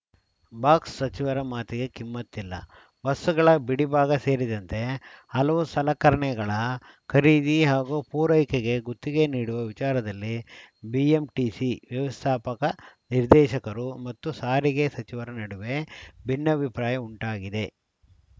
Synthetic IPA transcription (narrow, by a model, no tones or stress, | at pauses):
baːksːɐt͡ʃiʋɐɾɐmaːt̪iɡe̞kimːɐt̪ːilːɐ̰ | bɐsːuɡɐɭɐbiɽibaːɡɐse̞ːɾid̪ɐnt̪e̞ɐlɐʋusɐlɐkɐɾɐɳɛɡɐɭɐ | kʰɐɾiːd̪iɦaːɡupuːɾɐjkeɡe̞ɡut̪ːiɡe̞niːɽuʋɐʋit͡ʃaːɾɐd̪ɐlːibiemʈiːsiʋjɐʋɐst̪ʰaːpɐkɐniɾd̪ɛːʃɐkɐɾumɐt̪ːusaːɾiɡe̞sɐt͡ʃiʋɐɾɐnɐɽuʋe̞bʱinːɐbʱipɾaːjɐuɳʈaːɡid̪e̞